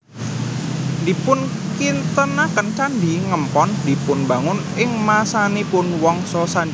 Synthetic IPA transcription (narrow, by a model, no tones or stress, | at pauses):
ndipʊn | kint̪ənakənt͡ʃandiŋəmpɔndi̤pʊnbaŋʊn | ɪŋmasanipʊnwɔŋsɔsaɲd͡ʒ